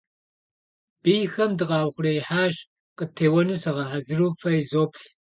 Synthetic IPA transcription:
b̥ijxɐmdɨqɑːwχʷʊrɐjiħaːʒ | qətʰeːwɐnusɐʁɐħazɨruːfɐjizoːpʰɬ

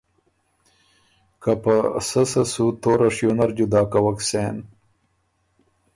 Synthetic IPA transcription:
kapasɐsɐsut̪oːɾɐʂjonɐɾd͡ʑud̪aːkɐwɐkseːn

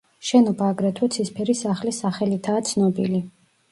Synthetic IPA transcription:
ʃɛnɔbaːɡɾɛt̪ʰɛt̪sʰispʰɛɾisaχlisaχɛlit̪ʰaːt̪sʰnɔbḭli

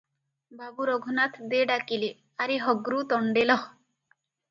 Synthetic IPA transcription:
babuɾɔɡʱunat̪ʰd̪eɖakile | aɾiɦɔɡɾut̪ɔɳɖelɔ

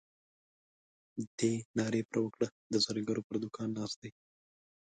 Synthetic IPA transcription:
d̪eːnɑɾeːpɾəwəkɽad̪əsɐɾiɡəɾopəɾd̪ʊkɑːnːɑst̪e

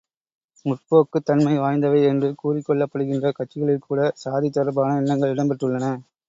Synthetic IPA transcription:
mʊʈ̚poːkːɯt̪ːɐnmɐɪʋaːjnd̪ɐʋɐɪɛndrɯkuːrɪkːɔɭːɐpːɐɽɯɣɪndrɐkɐʈt͡ʃːɪɣɐɭɪlkʰuːɽɐsaːðit̪ːɐɾɐbaːnɐɛnːɐŋɡɐɭɪɽɐmpɐʈːɯɭːɐnɐ

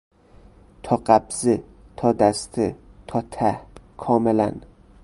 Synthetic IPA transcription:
t̪ʰɒqabz̥ɪt̪ʰɒd̪ast̪ʰɪt̪ʰɒt̪ʰakʰɒmɪla̰n

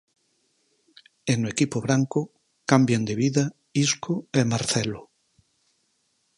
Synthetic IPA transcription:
enoekipoβɾaŋko | kambjend̪eβiða | iskoemaɾθelo

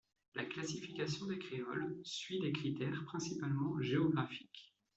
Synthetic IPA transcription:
lʔa̰klasifikasjɔ̃d̪ekχeɔlsɥid̪ekχit̪ɛʁpχɛ̃sipalmɑ̃ʒeɔɡʁafi̥k

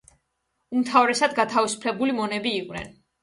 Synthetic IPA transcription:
umt̪ʰavɾɛsad̪ɡat̪ʰavisu̥pʰlɛbulimɔnɛbiːqʼwnɛ̰n

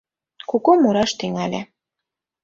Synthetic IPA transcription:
kukomuɾɑʃt̪yŋælʲḛ

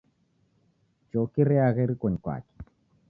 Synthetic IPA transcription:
t͡ʃɔkiɾɛaɣɛɾikɔɲkwa̰kɛ̥

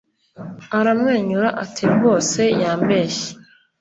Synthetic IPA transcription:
aɾamŋe̞ːɲuɾaʔatʰiɡo̞ːse̞jaːmbe̞ːʃi̥

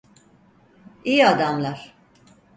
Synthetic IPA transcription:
ijiad̪amlˠaɾ̥

